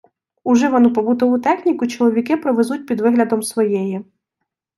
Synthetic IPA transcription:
ʊʒɛʋɔnupɔbut̪ɔʋut̪ɛxʲnʲikʊt͡ʃɔlˠɔʋʲikɪpɾɔʋezut̚ʲpʲid̪ʋɪɦlʲɐd̪ɔmsʋɔjɛjɛ

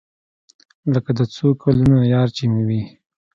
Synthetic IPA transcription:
ləkad̪ət͡sokʰalunajɑɾt͡ʃimiwi

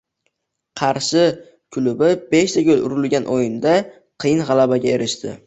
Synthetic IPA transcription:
qʰɑɾʃɪ | kʰʊlʊbɪbe̞ʃt̪ʰakʲʰɵlʊɾʊlɡʲanʔojɪnd̪a | qʰɨjɪnʁɑlabaɡʲaeɾɪʃt̪ʰɪ̰

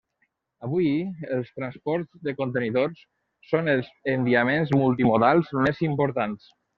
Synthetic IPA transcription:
əβujəlˠst̪ɾanspɔɾzðəkont̪əniðors | sonəlˠzənd̪iamenzmulˠt̪imoðalˠzmezimpoɾt̪ans

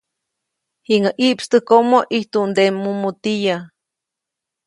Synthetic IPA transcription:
hiŋaʔiʔpst̪ɨhkomoʔiht̪und̪emːumut̪ija

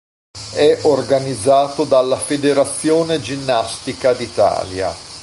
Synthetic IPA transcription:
ɛʔorɡanid̪zːaːt̪od̪alːafed̪eɾat̪sːjoːned͡ʒinːast̪ikad̪it̪a̰ːlja̰

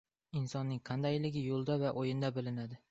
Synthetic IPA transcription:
ɪnsɒnːɪŋqʰɑnd̪ajlɪɡʲɪjolˠd̪avaʔojɪnd̪abɪlɪnad̪ɪ

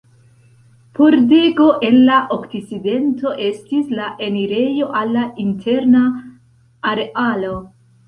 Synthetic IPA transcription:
pʰo̞ɾde̞ɡo̞ʔe̞nlaʔokt͡sit͡side̞nto̞ʔe̞stislaʔe̞niɾe̞jo̞ʔalːaintʰe̞ɾnaː | ɾeʔalo̞

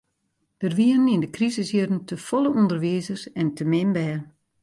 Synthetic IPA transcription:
d̥ərʋiəənindəkrizɪsjødən̩tʰəfɔlˠəʔɔndərʋiːzərsɛntəmɪmbɛːr

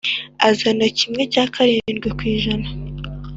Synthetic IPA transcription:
azanacimŋe̞caːkʰaɾiːnɡwekwiːʒana

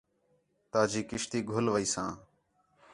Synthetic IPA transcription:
t̪aːd͡ʒiːkɪʃt̪iːɡʱʊlʋəiːsãː

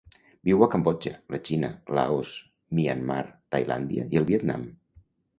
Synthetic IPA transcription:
biwakambɔd͡ʒələt͡ʃinəla̰os | mianma̰ɾt̪ajla̰nd̪ja̰iəlˠβiɛt̪na̰m

